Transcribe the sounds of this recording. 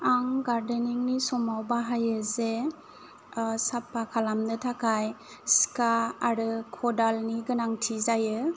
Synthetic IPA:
aŋɡaɾdeniŋnisɔmawbaɦajɯze | sapakʰalamnɯtʰakaj | skaaɾɯkʰɔdalniɡɯnaŋtʰizajɯ

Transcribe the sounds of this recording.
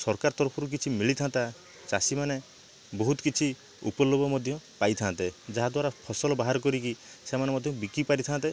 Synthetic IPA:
sɔɾkaɾɔt̪ɔɾpʰɔɾuk̬it͡ʃʰimiɭit̪ʰant̪a | t͡ʃasimane | bɔɦut̪kit͡ʃʰi | ṵpɔlobʱɔmɔd̪ʱjɔ̃pajt̪ʰant̪ed͡ʒaɦad̪waɾapʰɔsɔlɔbaɦaɾɔk̬ɔɾikisemanemɔd̪ʱjɔ̃bikipaɾit̪ʰant̪e

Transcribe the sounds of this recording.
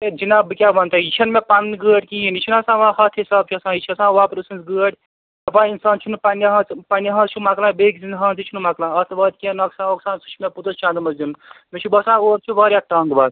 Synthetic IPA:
t̪ed͡ʒinabɨkʲabɐnt̪ɐit͡ʃʰɐnmẽpanːiɡəːʈʲkiinit͡ʃʰunasãːʋãːhɐt̪ʰɦisaːb̚t͡ʃʰɐsãːit͡ʃʰɐsãːʋãpɾɨsɨnsɡəːʈʲ | ɐpãːinsaːnt͡ʃʰunupanjaɦɐt͡spanjaɦɐ̃t͡ʃʰumaklãːbeːkzind̪ɦɐ̃ːnt̪it͡ʃʰunumaklãːɐst̪bɐːd̪̚kʲẽnɐksãːoksãːnsu̥t͡ʃʰmẽput̪ɐt͡ʃãːnd̪mɐsd̪inmet͡ʃʰubɐsãːoːɾt͡ʃʰubaːɾʲjaʈ̪ɐŋɡbaːt̪

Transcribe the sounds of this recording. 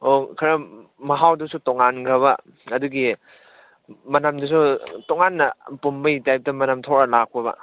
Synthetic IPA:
okʰɐɾɐ | mɐɦawdusutoŋanɡɐβɐ | ɐduɡi | mɐnamdusutoŋanːɐpumbɐjtajp̚tɐmɐnamtʰoɾɐlak̚pɐbɐ̰

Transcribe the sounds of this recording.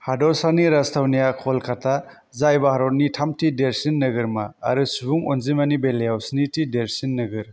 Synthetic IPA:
hadɔɾsaniɾastʰawnijakʰɔlkʰatʰa | zajbaɦaɾɔtnitʰamtideɾsinːɐɡɯɾma̰ːɾɯsubuŋonzimanibeljawsnitideɾsinːɯɡɯɾ

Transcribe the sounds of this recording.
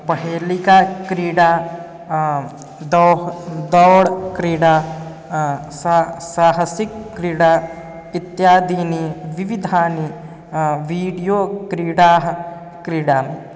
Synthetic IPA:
pɐɦeːlikakɾiːɽaː | d̪ɔd̪ɔwɽkɾiːɽaː | sasaːɦɐsikːɾiːɽaː | it̪jaːd̪iːniʋiʋid̪ʱaːni | ʋiːɽijoːkɾiːɽaːɦ | kɾiːɽaːn

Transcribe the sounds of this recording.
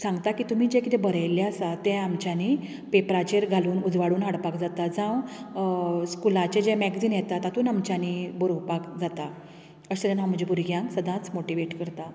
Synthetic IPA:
sãŋɡt̪akiːt̪um̤iːd͡ʑekit̪ebəɾəjleasat̪ɛ̃amt͡ɕjani | pepɾat͡ɕeɾɡʱaluːnud͡zʋaɽuːnɦaɽpakd͡zat̪ad͡zãʋ | skulãt͡ɕed͡ʑemɛɡd͡ziːnjet̪at̪at̪uːnamt͡ɕanibəɾowpakd͡zat̪a | əsət̪anam̤əd͡ʑebuɾɡjãŋksəd̪ʱãt͡smoʈiʋeʈkəɾt̪a

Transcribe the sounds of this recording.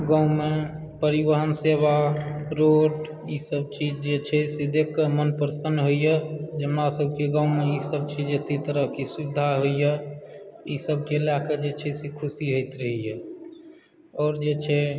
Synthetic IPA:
ɡãʊ̃me | pəɾibəɦənseʋaɾoːʈ | iːsəb̚t͡ʃiːd͡ʒd͡ʒet͡ʃʰɛsed̪ekːəmənpəɾsənɖɦoijɛd͡ʒəmnasəbʱkeɡãːʊ̃mẽiːsəb̚t͡ʃid͡ʒet̪it̪əɾəɦkisubɪd̪ʱaɦoije | iːsəb̚ʱkelakəd͡ʒet͡ʃʰɛsekʰʊsiɦoɪt̪ɾəɦiɛ | ɔːɾd͡ʒet͡ʃʰɛ

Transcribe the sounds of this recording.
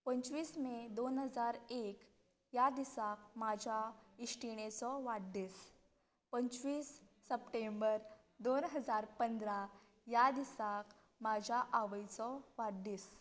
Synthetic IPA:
pəɲt͡ɕʋiːsmed̪onɦəd͡zaɾek | jad̪isak̚mad͡ʑʱjaiʂʈiɽ̃et͡sɔʋaɽd̪es | pəɲt͡sʋiːsː | əpʈembəɾ | d̪onɦəd͡zaɾpənd̪ɾa | jad̪isak | mad͡ʑʱjaʔaʋəjt͡sɔʋaɽd̪is

